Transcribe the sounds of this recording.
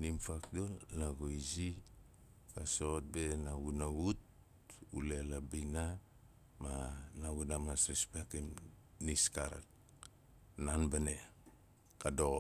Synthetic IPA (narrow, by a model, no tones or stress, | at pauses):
nimfak̚dolnaɡoizi | kasot̚benaɡunaut̚ | ṵlelabina | manaɡunamasɾispekimniskaɾa̰k̚ | nanbane | kado